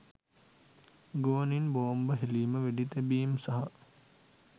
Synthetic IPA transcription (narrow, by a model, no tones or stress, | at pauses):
ɡoːninboːmbəɦeliːməʋeɖit̪ebiːmsɐɦɐ